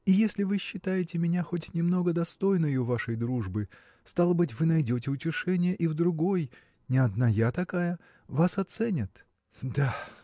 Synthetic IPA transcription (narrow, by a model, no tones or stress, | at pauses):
ijesʲlʲɪvɨɕːɪt̪ajɪtʲɪmʲɪnʲaxotʲnʲɪmno̞ɡəd̪ɐst̪o̞jnəjʊvaʂəjd̪ɾuʐbɨ | st̪alˠəbɨtʲvɨnɐjdʲotʲɪʊtʲɪʂɛnʲɪjəʔivd̪ɾʊɡo̞j | nʲɪɐd̪najat̪ɐkajə | vasɐt̪sɛnʲɪt̪ | d̪a